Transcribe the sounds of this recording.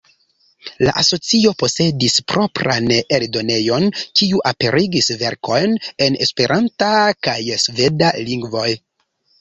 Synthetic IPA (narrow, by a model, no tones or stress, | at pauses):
la̰ʔaso̞t͡sio̞po̞se̞dispɾo̞pɾa̰neldo̞ne̞jo̞nkiuʔape̞ɾʔiɡisve̞ɾko̞jne̞ne̞spe̞ɾʔantakajsve̞daliŋɡvo̞j